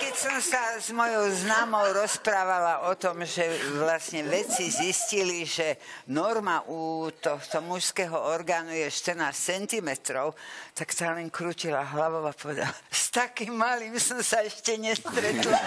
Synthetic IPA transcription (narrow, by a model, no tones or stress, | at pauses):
kɛcsɔmsazmɔjɔʊznaːmɔʊɾɔspɾaːʋalaʔɔt̪ɔmʒɛʋlasɲɛʋɛt͡sizisciliʒɛ | nɔɾmaʔuːt̪ɔxt̪ɔmuʃskɛɦɔɔɾɡaːnujɛʃt̪ərnaːst͡sɛnt̪imɛt̪ɾɔʊt̪akt̪aːlɛŋkɾuːcilaɦlaʋɔʊapɔʋɛd̪alast̪akimːalimsɔmsaɛʃcɛɲɛst̪ɾɛt̪la